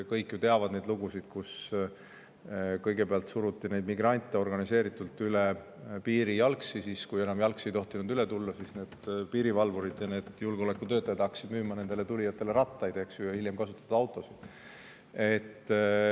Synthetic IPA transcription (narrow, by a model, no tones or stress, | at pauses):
kɤjkːˑjut̪e̞ɑvɑd̪ne̞jd̪luɡ̥usid̪̥kus | kɤjɡ̥e̞peɑlt̪suɾut̪ːˑinejd̪miɡrɑnʲt̪ːˑeo̞rɡɑnise̞ːɾit̪ːˑult̪ːyle | piːɾijɑlksisiskuje̞nɑmjɑlksiejt̪o̞ht̪inud̪yle̞t̪ulːɑsisne̞ːd̪̥piːɾivɑlvuɾid̪̥jɑne̞ːd̪̥julɡo̞le̞kːˑut̪øt̪ːˑɑjɑt̪hɑːksid̪myːmɑne̞nd̪ele̞t̪ulʲijɑt̪ːˑe̞le̞ɾɑt̪ːˑɑjd̪e̞ksjujhiljemkɑsut̪ːɑt̪ɑɑwt̪ːˑo̞sid̪̥ | e̞t̪ː